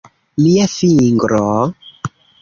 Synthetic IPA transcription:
liafiŋɡɾɔ

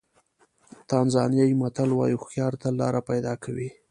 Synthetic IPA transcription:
t̪ɑnzɑnjɑjimat̪alwɑ̰juxjɑɾt̪alɑ̰ɾapajd̪ɑkʰawi

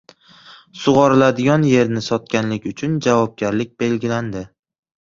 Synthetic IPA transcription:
sʊʁɑɾɪlad̪ɪɡɒnje̞ɾnɪsɒt̪̚kʲanlɪkʲʊt͡ʃʰʊnd͡ʒavɒb̚ɡʲaɾlɪk̚ʲbe̞lɡʲɪland̪ɪ

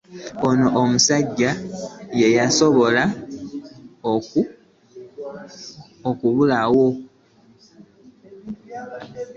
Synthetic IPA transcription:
onoʔomusaɟːaje̞jaso̞βo̞la | oku | okuβulawo̞

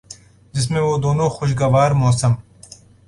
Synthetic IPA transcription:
d͡ʒɪs̬mẽʋoːd̪oːnoːxʊʃ̬ɡɐʋaːɾmoːsɐm

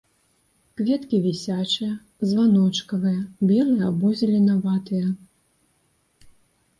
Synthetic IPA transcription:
kvʲɛt̪kʲivʲisʲat͡ʂɨjɐ | zvanɔt͡ʂkɐvɨjɐbʲɛlˠɨjɐbɔzʲɐlʲɛnavat̪ɨjɐ

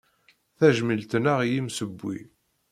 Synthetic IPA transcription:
θæʒməlt̪naʁjimsəbːḭ

